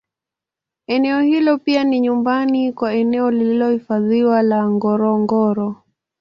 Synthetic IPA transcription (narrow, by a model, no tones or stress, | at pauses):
ɛnɛɔhilɔpianiɲumbanikwaɛnɛɔlililɔhifaðiwalaŋɡɔɾɔŋɡɔɾɔ